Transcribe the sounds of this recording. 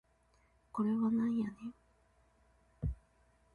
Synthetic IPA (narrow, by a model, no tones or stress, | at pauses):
koɾewanãjani